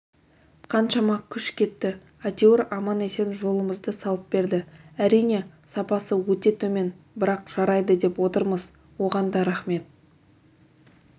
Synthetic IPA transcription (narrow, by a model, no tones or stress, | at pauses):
qʰɑnʃɑmɑkʲʰʏʃkʲʰe̞t̪ːɪ | at̪ʲeoɾɑmɑne̞se̞nʒo̞lˠəməzd̪əsɑlˠəp̚be̞ɾd̪ɪæɾijne̞ | sɑpɑsəwɵt̪e̞t̪ʰɵme̞n | bɪɾɑqʒ̥ɑɾɑjd̪əd̪e̞pwo̞t̪əɾməz | wo̞ʁɑnd̪ɑɾɑχme̞t̪̚